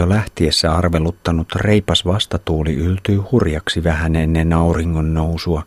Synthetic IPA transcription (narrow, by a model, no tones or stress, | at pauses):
olæht̪iesːæɑrʋelut̪ːɑnut̪re̞ipɑsʋɑst̪ɑt̪uːlḭʔylt̪yːhurjɑksiʋæhænenːenɑuriŋːonnousuɑ